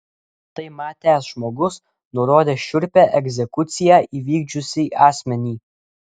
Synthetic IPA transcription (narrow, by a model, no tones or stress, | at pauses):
t̪ɐɪmɑːt̪ʲæːsʒmoːɡʊs | nʊɾoːd̪ʲeːʃʲʊɾʲpʲæʔɛɡʲzʲɛkʊt̪sʲɪjæːʔiːʋʲiːɡd͡ʒʲʊsʲiʔɑːsʲmʲɛnʲiː